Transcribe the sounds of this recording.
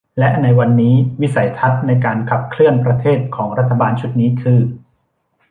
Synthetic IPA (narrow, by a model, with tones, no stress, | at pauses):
lɛ˦˥ʔna˧jwa˧nːiː˦˥wi˦˥sa˩˦jt̪ʰa˦˥t̪̚na˧jkaː˧nkʰa˨˩p̚kʰlɯ˥˩ənpɾa˧t̪ʰeː˥˩t̪̚kʰɔː˩˦ŋɾa˦˥t̪ʰːa˧baː˧nt͡ɕʰu˦˥t̪̚niː˦˥kʰɯː˧